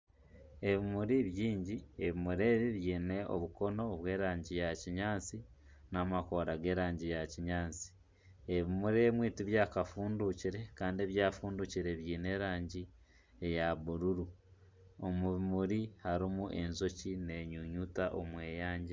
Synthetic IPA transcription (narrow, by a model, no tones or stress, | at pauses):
e̞βimuɾiβjiːɲɟieβimuɾe̞ːβiβjiːne̞ʔo̞̰βuko̞no̞βwe̞ːɾaːɲɟijaciɲaːt͡si | namakoːɾaɡe̞ːɾaːɲɟijaciɲaːt͡si̥ | eβimuɾeːmwiːtiβjaːkafuːnduciɾe̞kaːndieːβjaːfuːnduciɾe̞βjiːne̞ːɾaːɲɟi | ejaβuɾuɾu | omuβimuɾihaɾimuʔe̞nzo̞cine̞ɲuɲutaʔomweːjaːɲɟe